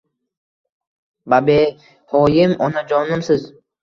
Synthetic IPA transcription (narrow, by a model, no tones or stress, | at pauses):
babe | hɔːjɪmɔnad͡ʒɔnɨmsɪz